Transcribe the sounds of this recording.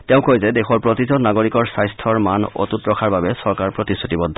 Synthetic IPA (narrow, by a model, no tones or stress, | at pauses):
tɛʊ̃kojzɛdɛxɔɹpɹotizɔnaɡoɹikɔɹsajstʰɔɹmanɔ̰tutɹɔkʰaɹbabɛsɔɹkaɹpɹotisutibɔd̪ʱːɔ